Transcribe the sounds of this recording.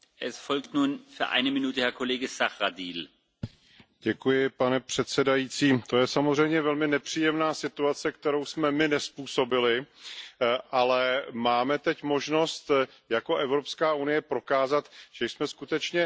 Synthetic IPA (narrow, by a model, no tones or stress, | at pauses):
ʔɛsfɔlktnuːnfyːɐʔa̰ɪnəminuːtəhɛɐkʰoleːɡəsaχʁadiːl | ɟ̥ɛkujɪpanɛpr̝̥ɛt̪sɛdajiːt͡siːt̪o̞jɛsamozr̝ɛjmɲɛvɛlmɪnɛpr̥iːjɛmnaːsɪt̪uat͡sɛkt̪ɛɾowsmɛmɪnɛspuːso̞bɪlɪ | ʔalɛmaːmɛt̪ɛcmo̞ʒno̞st̪ | jako̞ʔɛvɾo̞pskaːʔunɪjɛpɾo̞kaːzat̪ʒ̥ɛjsmɛskut̪ɛt͡ʃɲɛ